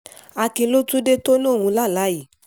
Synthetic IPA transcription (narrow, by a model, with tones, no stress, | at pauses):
a˧kĩ˧lo˦tu˦de˦to˦nõ˦˨wũ˧la˦˨la˨˦ji˨